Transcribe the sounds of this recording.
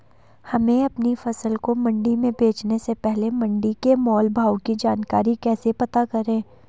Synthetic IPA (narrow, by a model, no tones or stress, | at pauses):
hɐmẽɐpnifɐsəlkomɐ̃ɳɖimẽbʱeːt͡ʃnesepɛɦlemɐ̃ɳɖikemɔːlbʱaːwkid͡ʒaːnkaːɾikɛːsepɐt̪akɐɾẽː